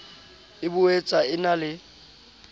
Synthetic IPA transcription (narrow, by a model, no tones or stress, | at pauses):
ɪbʊet͡sʼaɪnalɪ